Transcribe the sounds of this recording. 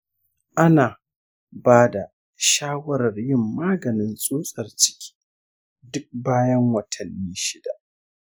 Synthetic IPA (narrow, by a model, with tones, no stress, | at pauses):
ʔa˦naː˨ | baː˦da˨ | ʃaː˦wɐ˦ɾɐ˨rjɪ˦˨mːaː˦ɡɐ˨nɪ˨nsʼuː˦sʼɐ˨rt͡ʃɪ̥˦kʲʰi̥ː˦ | dʊ˦k̚baː˦jɐ˦ŋwɐ˨tʰɐ˨nːiː˦ʃɪ˦da˨ʔ